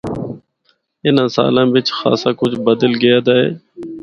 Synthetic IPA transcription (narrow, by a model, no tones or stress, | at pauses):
ɪnãːsa̰ːlãːʋɪt͡ʃxa̰ːsaːkʊd͡ʒbəd̪əlɡɪjaːd̪aːɦḛː